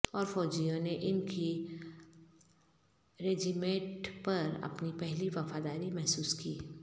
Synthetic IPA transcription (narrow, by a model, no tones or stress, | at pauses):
ɔːɾfɔːd͡ʒijõneʔɪnki | ɾeːd͡ʒimẽːʈpɐɾɐ̰pnipɛɦliʋɐfaːd̪aːɾimɛɦsuːskiː